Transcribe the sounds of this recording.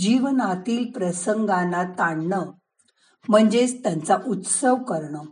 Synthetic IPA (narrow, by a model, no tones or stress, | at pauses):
d͡ʑiʋənat̪iːlpɾəsəŋɡãnat̪aɳɳə | m̤əɳd͡zest̪jant͡saʔut̪səʋkəɾɳə